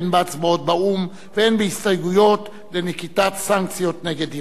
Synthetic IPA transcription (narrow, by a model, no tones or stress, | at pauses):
nbaat͡sbaot̪̚baum | veenbehistajɡujo̞t̪ | lenikit̪at̪saŋk̚t͡sjo̞t̪neɡed̪i